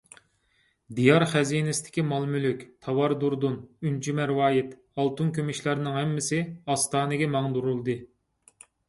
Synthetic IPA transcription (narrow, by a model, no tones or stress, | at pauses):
d̪ijɑɾχæzinɪsɪd̪ʰɪ̥kʲimɑlˠmylykʲt̪ʰɑwɑɾd̪uɾd̪unynt͡ʃʰimæɾwɑːjɪt̪ | ɑlˠt̪unkʲʰømiʃlæɾnɨŋɦɛmːɪsɪɑst̪ɑːnɨɡʲɛmɑŋd̪uɾulˠd̪ɨ